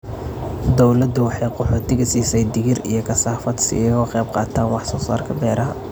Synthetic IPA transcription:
d̪ɔwlɐd̪ʊwɑħɑjqɔħɔːt̪ʰɪɣɐsiːsɛjd̪ɪɣɪrḭjɞkʰɐsaːfɐd̪sɪ̰ɛɣɔqɛjb̚qɑ̰ːt̪ʰaːnwɑħsɔːsa̰ːrkʰɐd̪ɛːɾɐɦɐ̰

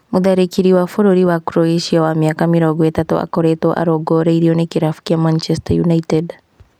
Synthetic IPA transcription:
muðaɾekiɾiwafoɾoɾiwakuɾoeʃiawamiaːkamiɾoɡɔetatṵʔa̰koɾetoʔa̰ɾoɡoɾeiɾionekiɾafu̥kiamant͡ʃestajunaited

